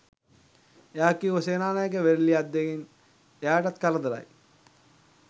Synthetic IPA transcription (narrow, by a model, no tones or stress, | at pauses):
jaːkːioseːnaːnajək̬eʋeɾliad̪ːekin | eaːʈat̪kaləd̪ɐɾa̰j